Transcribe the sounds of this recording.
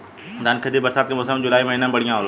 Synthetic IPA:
d̪aːnkʰəd̪ibɐɾsaːt̪kemʊsəmnd͡ʑʊlaːimɐɦiːnabɐɽijãol

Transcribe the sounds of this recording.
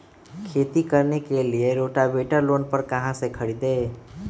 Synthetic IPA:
kʰeːt̪ikəɾnekelieɾoːʈabeːʈəɾloːnpəɾkɐɦãsekʰəɽid̪eː

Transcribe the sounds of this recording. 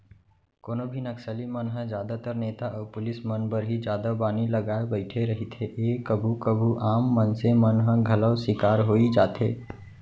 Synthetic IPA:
koːnobʱinəksəlimənɦəd͡ʒjaːd̪at̪əɾneːt̪aʔɔːɾpʊlɪsmənbəɾɦid͡ʒjaːd̪abaːniləɡaːebəɪʈʰeɾəɦit̪ʰeʔeːkəbʱukəbʱuʔaːmːənsemənɦə̃ɡʱɐləwsɪkaːɾɦoːid͡ʒaːt̪ɦḛː

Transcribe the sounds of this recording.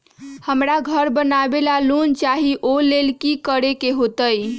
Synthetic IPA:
həmɾaɡʱəɾbənabelalunt͡ʃaɦiʔolelkikəɾekeɦot̪əj

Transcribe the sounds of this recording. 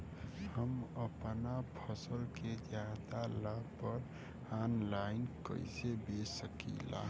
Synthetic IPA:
həməpnapʰəsəlked͡ʒjad̪alabpəɾ | anlaɪnkə̰ɪsebesəkḭla̰

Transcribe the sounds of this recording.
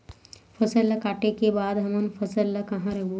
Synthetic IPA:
pʰəsəlːɐkaːʈekebaːd̪ɦɐmənpʰəsəlːɐkɐɦãɾɐkʰbu

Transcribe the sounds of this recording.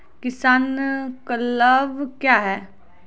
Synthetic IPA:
kɪsaːnkələʋkjaːɦɛː

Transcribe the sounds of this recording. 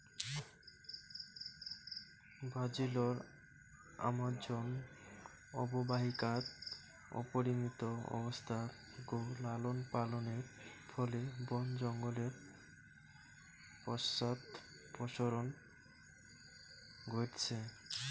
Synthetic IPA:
bʱad͡ʑiloɾ | a̰mad͡ʑon | ɔ̰bobaɦikat̪ | ɔ̰poɾimit̪oɔ̰bost̪ʰa | ɡolalonpaloneɾfʰɔlebɔnd͡ʑɔŋɡoleɾ | pɔsːat̪ | pɔʃoɾon | ɡoʈt͡ɕʰe

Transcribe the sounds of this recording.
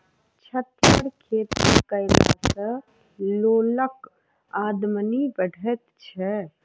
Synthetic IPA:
t͡ʃʰət̪jəɽkʰeːt̪ḭkəɪla̰sə | loːlək | aːd̪mənibəɽʱɛt̪t͡ʃʰɛ

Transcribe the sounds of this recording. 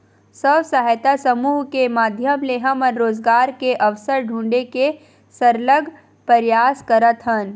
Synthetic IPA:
səʋsaɦjt̪asəmuːɦkemaːd̪ʱjəmleːɦəmɔːɾːoːzɡaːɾkeʔɐʋsəɾɖʱũːɳɖeke | səɾləɡʱ | pɐɾjaːskɐɾət̪ɦən

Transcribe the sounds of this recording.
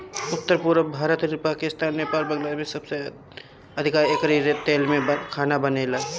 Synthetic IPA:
ʊt̪ːəɾpuɾbʱaːɾət̪nipaːkɪst̪aːnmepaːlbɐ̃ŋlaːd̪mẽsɐbse | ɐd̪ʱɪkaːekɾiɾet̪eːlmẽkʰaːnabəneːla

